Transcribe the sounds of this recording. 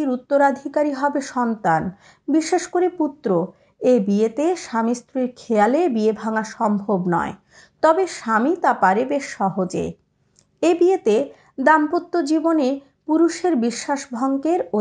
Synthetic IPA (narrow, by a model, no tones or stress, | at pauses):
iɾut̪ːoɾad̪ʱikaɾiɦɔbeʃɔnt̪an | biʃeʃkoɾeput̪ːɾo | ebiet̪eʃamist̪ɾiɾkʰealebiebʱaŋaʃɔmbʱobnɔ̰e | t̪ɔbeʃamit̪apaɾebeʃɔɦod͡ʑḛ | ebiet̪e | d̪ampot̪ːod͡ʑibone | puɾuʃeɾbiʃːaʃbʱɔŋkeɾo